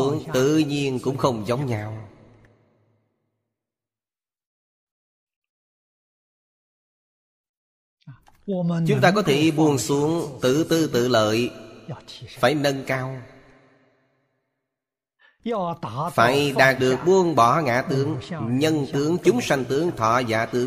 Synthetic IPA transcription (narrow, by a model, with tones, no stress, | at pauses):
u˦əŋt̪ɨ̰˧˨ɲi˧ənkʊ̰˧˥ŋ͡mxə˧wŋ͡mzə˨˦wŋ͡mɲaː˧˩w | t͡ɕʊ˨˦ŋ͡mt̪aː˧kɔ˨˦t̪ʰe˧˩ɓu˧ənsu˨˦əŋt̪ɨ̰˧˨t̪ɨ˧t̪ɨ̰˧˨lə̰ː˧˨j | faː˧˩jnə˧nkaː˧w | faː˧˩jɗaː˨˩k̚ɗɨ˨˩ək̚ɓu˧ənɓɔ˧˩ŋa̰ː˧˩˨t̪ɨ˨˦əŋɲə˧nt̪ɨ˨˦əŋt͡ɕʊ˨˦ŋ͡msa˧jŋ̟t̪ɨ˨˦əŋt̪ʰɔ˧˩za̰ː˧˨t̪ɨ˨˦ə